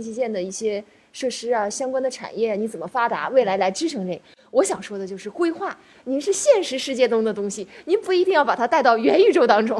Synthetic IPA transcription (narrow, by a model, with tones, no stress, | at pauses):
t͡ɕʰi˥˧t͡ɕjɛ˥˩nd̪ə˩i˥˩ɕjɛ˥ | ʂɤ˥˩ʂɻ̩˥ɐ˨ɕjɑ˥ŋkwa˥nd̪ə˨ʈ͡ʂʰa̰˨˩njɛ˥˩a˨˩ni˧˥t͡sə˨˩nmə˦fa˥t̪a̰˧˥we˥˩ɪla˧˥ɪla˧˥ɪʈ͡ʂɻ̩˥ʈ͡ʂʰɤ˧˥ŋʈ͡ʂe˥˩ | wɔ˧˥ɕjɑ˨˩ŋʂwɔ˥d̪ə˨t͡ɕjo˥˧ʊʂ̬ɻ̩˥˩kwe˥ɪxwa˥˩ | ni˧˥ʂɻ̩˥˧ɕjɛ˥˩nʂɻ̩˧˥ʂɻ̩˥˧t͡ɕjɛ˥˩t̪ʊ˥ŋd̪ə˨t̪ʊ˥ŋɕi˨ni˧˥npu˥˩i˧˥t̪i˥˧ŋjɑ˥˩ʊpa˨˩t̪ʰa˥˧ɪt̪ɑ˥˩ʊɥɛ˧˥ny˥˩ʈ͡ʂo˥˩ʊt̪ɑ˥ŋʈ͡ʂʊ˥ŋ